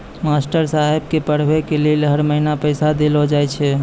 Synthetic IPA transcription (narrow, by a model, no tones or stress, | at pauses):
masʈəɾsaɦeb̚kepəɽ̤bekelelɦəɾməɦinapəɪsad̪elɦod͡ʒajt͡ʃʰɛ